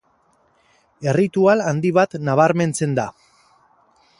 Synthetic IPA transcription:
e̞rit̪ualand̪iβat̪naβ̞aɾme̞nt͡se̞nd̪a

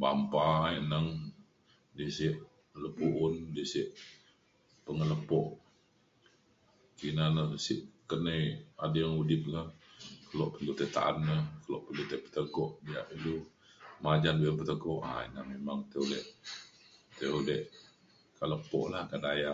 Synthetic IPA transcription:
bampainəŋ | disiʔ | ləpuʔʊndisiʔ | pəŋələpɔʔ | kinanəsiʔkənəjadəjaŋudɪp̚lahkəlɔʔpənt̪ut̪ət̪a̰ʔanːəkəlɔʔpənt̪ut̪əpə̥t̪əɡɔʔdija̰ʔilu | mad͡ʒanbujənpət̪əɡɔʔa̰ḭnaŋmemaŋt̪əulɛʔ | t̪əulɛh | kaləpɔ̰ʔlahkadaja

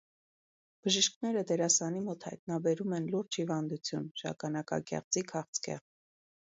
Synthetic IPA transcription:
b̥əʒəʃknɛɾəd̪ɛɾɑsɑnimɔt̪hɑ̰jt̪nɑbɛɾumɛnluɾd͡ʒhivɑnd̪ut͡sʰjunʒɑ̰kɑnɑkɑ̰kɛ̰ʁd͡zikʰɑχt͡sʰkɛ̰ʁ

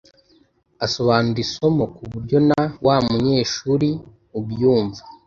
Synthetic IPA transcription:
aso̞βaːnuɾisomokuβuɾɟo̞nawamuɲeːʃuɾi | ubjuːɱvḁ

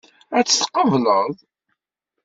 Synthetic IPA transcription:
æt͡sːə̥θqəvləðˤ

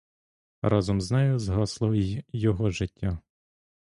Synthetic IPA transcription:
rʔɑzɔmznɛjʊzɦɔslˠɔjɔɦɔʒɪtʲːa

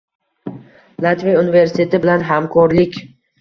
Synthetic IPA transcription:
lˠat̪vejunɪve̞ɾsɪ̥t̪ʰe̞t̪ɪbɪlanɦamkʰɒɾlɪkʲ

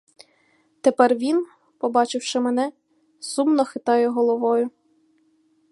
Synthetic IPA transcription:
t̪epɛrʋʲin | pɔbɑt͡ʃɪwʃɪmɛnɛ | sumnɔxɪt̪ɑjɛɦɔlˠɔʋɔjʊ

